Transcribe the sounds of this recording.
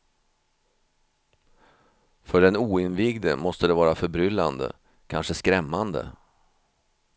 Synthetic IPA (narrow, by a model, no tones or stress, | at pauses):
fœɖɛnuːɪnvɪɡd̪ə̰mɔst̪əd̪ɛvɑːɾafœbɾʏlːand̪ə̰ | kʰa̰nʂəskɾɛmːand̪ə̰